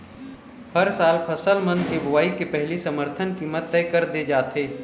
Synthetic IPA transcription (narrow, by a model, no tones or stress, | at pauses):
hɐɾsaːlpʰɐsəlmɐnkebʊʋaːikepɛɦlisɐməɾt̪ʰənkiːmət̪ːɛːkəɾd̪ed͡ʒaːt̪eː